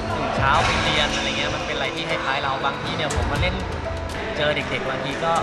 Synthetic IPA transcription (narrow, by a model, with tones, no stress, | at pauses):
suː˨˩t͡ɕʰaː˦˥wwi˦˥si˧ənʔa˧ɾa˧˨ŋːi˦˥˩ma˧npe˧nɾa˧jt̪ʰiː˥˩ɦa˥˩pʰaː˦˥jɾa˧wbaː˧ŋt̪ʰiː˦˥ni˥˩pʰo˩˦mːa˧le˥˩n | t͡ɕɤː˧ɾe˨˩k̚de˨˩k̚baː˧t̪ʰiː˧kɔː˥˩